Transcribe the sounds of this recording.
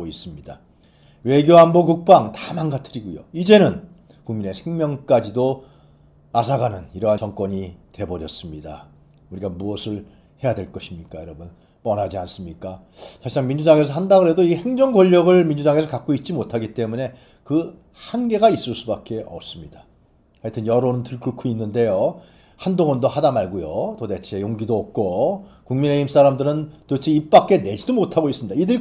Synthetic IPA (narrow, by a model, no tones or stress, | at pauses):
ois͈ɯmɲida | we̞ɡjoɦambokuk̚p͈aŋtamanɡatʰɯɾiɡujo̰id͡ʑe̞nɯn | kuŋmine̞sʰeŋmjʌŋk͈ad͡ʑido | asʰaɡanɯniɾʌɦat͡ɕʌŋk͈wʌɲite̞bʌɾjʌs͈ɯmɲida̰ | uɾiɡamuʌsʰɯɭ | he̞jadweɭk͈ʌɕʰimɲik͈ajʌɾʌbun | pʌnɦad͡ʑians͈ɯmɲik͈a | t͡ɕʰaɕʰisʰaŋmind͡ʑudaŋe̞s̬ʰʌɦandaɡɯɾe̞doihe̞ŋd͡ʑʌŋɡʌʎːʌɡɯɭmind͡ʑudaŋe̞sʰʌkak͈̚oit̚t͡ɕ͈imotʰaɡit͈e̞mune̞ | kɯ | hanɡe̞ɡais͈ɯɭs͈ubak͈e̞ʌ̰p̚s͈ɯmɲid̥a | hatʰɯnjʌɾonɯntɯɭkɯɭkʰoinːɯnde̞jo | handoŋʌndohadamaɭɡujotode̞t͡ɕʰe̞joŋɡidoːp̚k͈okuŋmine̞ims͈aɾamdɯɾɯntot͡ɕʰiip̚p͈ak͈̚ene̞d͡ʑidomotʰaɡois͈ɯmɲid̥aidɯɾi